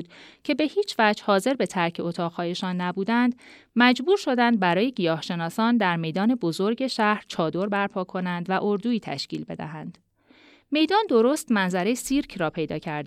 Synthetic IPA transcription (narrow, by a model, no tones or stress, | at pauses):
d̪̥cʰe̞be̞hiːt͡ʃʰvæd͡ʒhɒːze̞ɾbe̞t̪ʰæɾcʰe̞ot̪ʰɒːʁhɒːje̞ʃɒːnːæbuːd̪ænd̪ | mæd͡ʒbuːɾʃo̞d̪ænd̪̚bæɾɒːje̞ɟijɒːhʃe̞nɒːsɒːnd̪æɾme̞jd̪ɒːne̞bo̞zo̞ɾɟe̞ʃæhɾt͡ʃʰɒːd̪o̞ɾbæɾpʰɒːkʰo̞nænd̪væʔoɾd̪uːiːt̪ʰæ̰ʃciːlbe̞̰d̪æ̰ɦænd̪̥ | me̞jd̪ɒːnd̪o̞ɾoːst̪mænzæɾe̞jsiɾcʰrɒːpʰe̞jd̪ɒ̰ːcʰæɾd̪e